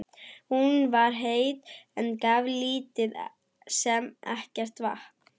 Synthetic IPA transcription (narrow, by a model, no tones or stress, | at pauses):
hunvaɾ̥ɦeːjðɛnkavliːt̪ɪð | sɛmɛ̰hcɛr̥t̪va̰h